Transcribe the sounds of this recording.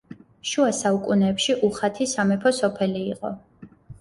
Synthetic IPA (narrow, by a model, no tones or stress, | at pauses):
ʃuasaukʼunɛːpʃiʔuχat̪ʰisamɛpʰɔsɔpʰɛliːqʼɔ̰